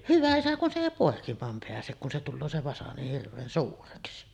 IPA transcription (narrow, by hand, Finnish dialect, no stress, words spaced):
hyʋæ isæ kun se eˑi poˑekimˑɑːm peæsek kun se tulːoː se ʋɑsɑ niːh hirʋˑeːn suːreksi